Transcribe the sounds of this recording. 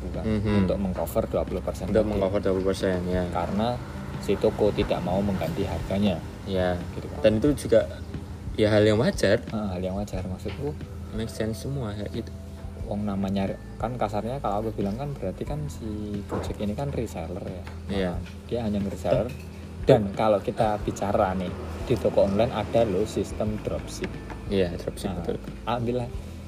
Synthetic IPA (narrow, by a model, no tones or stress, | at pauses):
bukanɦunt̪ʊk̚məŋkofərduapuluhpərsɛnunt̪ʊk̚məŋkofərduapulupərsɛanjakaɾəna | sit̪okot̪idaʔmauməŋɡant̪iɦarɡaɲa | jaɡ̥it̪uka̰nt̪anit̪ud͡ʒuɡaʔ | jaɦaljaŋwat͡ʃarəʔəhaljaŋwad͡ʒarmaksʊt̪̚ku | mɛksɛnsːəmuaja̰ʔɡit̪u̥ | waŋnamaɲa | kankasarɲakaloakub̥ilaŋkanbəɾart̪ikansikut͡ʃəkinikanrisalərja | jaa | d̥iaɦaɲaŋrisalər | d̥ankalokit̪ab̥it͡ʃaɾanɪhd̥it̪okɔɔnlajnad̥alosist̪əmd̪ɾɔp̚sɪk̚ | ijad̪ɾɔpsɪbət̪ṵlaəmbila